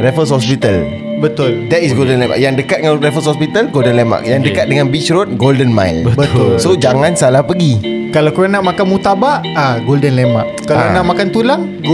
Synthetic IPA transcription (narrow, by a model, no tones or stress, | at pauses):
refəshɔspit̪al | bət̪ʊld̪ɛt̪isɡoldənlema̰kjaŋdəkat̪̚dəaɾefəshɔspit̪alɡoldənlema̰k̚jaŋdəkat̪̚dəŋãnbit͡ʃɾot̪̚ɡoldənma̰jlbətbət̪ʊlsod͡ʒaŋãnsalahpəɡikalawkɾonaʔmakanmut̪abaʔ | aɡoldənlema̰ʔkːaɾonaʔmakant̪ulaŋ